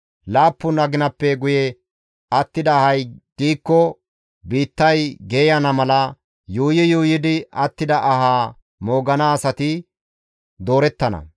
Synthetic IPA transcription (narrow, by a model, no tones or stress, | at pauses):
laːpːʊnɐɡɪnɐpːɛɡʊjɛ | ɐt̪ːɪd̪ɐːhɐjɡ̥iːkːɔ | biːt̪ːɐjɡeːjɐnɐmɐlɐ | juːjɪjuːjɪd̪ɪɐt̪ːɪd̪ɐʔɐɦaː | mo̞ːɡɐnaːsɐt̪ɪ | d̪o̞ːɾɛt̪ːɐnɐ̰